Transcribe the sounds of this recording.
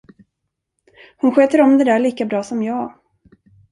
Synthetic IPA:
hʊnɧøːt̪əɾɔmd̪ɛd̪æːɭiːkabɾɑːsɔmjɑː

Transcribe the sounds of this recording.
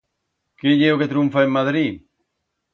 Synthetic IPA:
keʎeoket̪ɾuɱfaemmaðɾi

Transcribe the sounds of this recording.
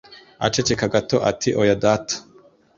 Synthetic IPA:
a̰t͡ʃet͡ʃekaɡatoʔa̰tʰiʔojadatḁ

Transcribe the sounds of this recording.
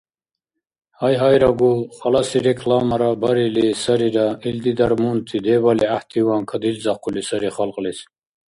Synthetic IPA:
hajɦajɾaɡulχalasiɾekʰlɑːmaɾabaɾilisɐɾiɾaild̪id̪aɾmunt̪ʰid̪ebaliaht̪ʰiwankʰad̪ilzɑqʰulisɐɾiχalqlis

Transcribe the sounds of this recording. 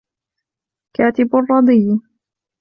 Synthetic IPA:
kaːt̪ɪbʊrˤːɑd̪ˤiː

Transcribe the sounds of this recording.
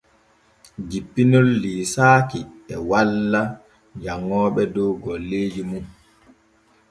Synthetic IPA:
d͡ʒipːinɔlːiːsaːkiɛwalːa | d͡ʒaŋːɔːɓɛdɔwɡɔlːeːd͡ʒimum

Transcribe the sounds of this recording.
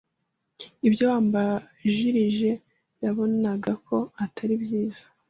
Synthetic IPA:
ibjoaːmba | ʒiɾiʒe̞ | jaβo̞naɡakʰo̞atʰaɾibjiːz̥ḁ

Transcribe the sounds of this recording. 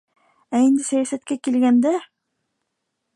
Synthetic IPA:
æend̪isæjasæt̪̚kekilɡend̪e

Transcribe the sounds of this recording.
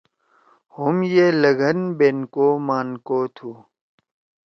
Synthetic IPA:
humjeləɡənbeːnkomaːnkoːt̪ʰu

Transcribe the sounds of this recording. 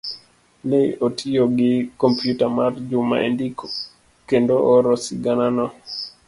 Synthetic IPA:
leotʰioɡɪkompjutamard͡ʒʊma̰ʔḛndik | kendoʔoɾɔsiɡananɔ

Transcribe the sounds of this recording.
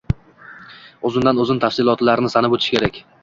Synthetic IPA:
ozɪnd̪anɵzɪnt̪ʰafsɪlˠɒt̪laɾnɪsanɪbɵt̪ʰɪʃkʲʰe̞ɾakʲ

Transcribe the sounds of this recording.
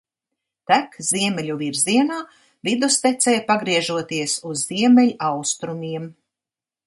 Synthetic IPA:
t̪ækziɛmɛlʲuviɾziɛnaː | vid̪ust̪ɛt̪sɛːjpaɡɾiɛʒuɔt̪iɛsuzːiɛmɛlʲʔawst̪ɾumʲiɛm

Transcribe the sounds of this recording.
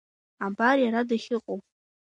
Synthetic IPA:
abarjaɾadaχʲɪqʼowʼ

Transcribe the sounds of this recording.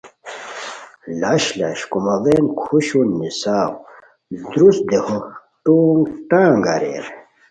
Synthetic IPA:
laɕlɐ̰ɕkumɐvenkʰuɕunːisaːw | d̪ɾus̚d̪ehu | ʈuːŋɡʈãːŋɡaɾḛɾ

